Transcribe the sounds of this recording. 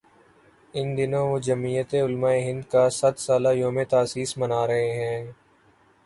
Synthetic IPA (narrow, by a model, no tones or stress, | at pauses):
ɪnd̪ɪnõːʋod͡ʒəmiːjət̪eʊlmaːeɦɪ̃nd̪kasɐt̪saːlajoːmẽt̪aːsiːsmənaːɾɐɦeɦɛ̃ː